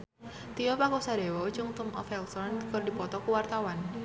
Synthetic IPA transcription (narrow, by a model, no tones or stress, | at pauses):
t̪iɔpakusadewɔd͡ʒʊŋt̪ʊmʔɔfɛlsɔnkərdipɔt̪ɔkuwart̪awan